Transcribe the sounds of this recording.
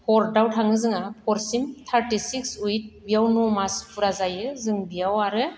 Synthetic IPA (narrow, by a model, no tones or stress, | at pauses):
hɔɾdawtʰaŋɯzɯŋapʰɔɾsimt̪ʰaɾtisiksujt̚bijawnɔmaspʰuɾazajɯzɯŋbijawaɾɯ